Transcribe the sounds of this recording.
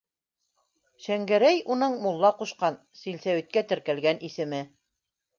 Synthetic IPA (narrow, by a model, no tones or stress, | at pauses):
ʃæŋɡæɾæjunɤɴmulˠːɑquʃqɑn | silsæwit̪̚kæt̪ɘ̆ɾkælɡænʔisɘ̆mɘ